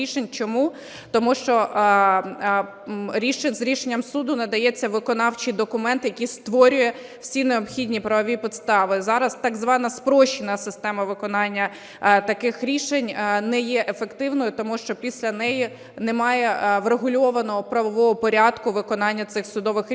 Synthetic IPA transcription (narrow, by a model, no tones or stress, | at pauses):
iʃenʲt͡ʃɔmu | t̪ɔmuʃt͡ʃɔʔ | ɾʲiʃenʲzɾʲiʃenʲːɐmsud̪ʊnɐd̪ɐjɛt͡sʲːɐʋɪkɔnɑwt͡ʃid̪ɔkʊmɛnt̪ɪjɐkʲist̪ʋɔɾʲʊjɛ | wsʲineɔpxʲidʲnʲipɾɐʋɔʋʲipʲit̪st̪ɑʋɪzɑɾɐst̪ɑɡzʋɑnɐspɾɔʃɪnɐsɪst̪ɛmɐʋɪkɔnɑnʲːɐ | t̪ɐkɪxɾʲiʃenʲnɛjɛʔefekt̪ɪwnɔjʊt̪ɔmuʃt͡ʃɔpʲisʲlʲɐnɛji | nemɑjɛʋɾeɦʊlʲɔʋɐnɔɦɔpɾɐʋɔʋɔɦɔpɔɾʲɑd̪kʊʋɪkɔnɑnʲːɐt̪sɪxsʊd̪ɔʋɪxʲ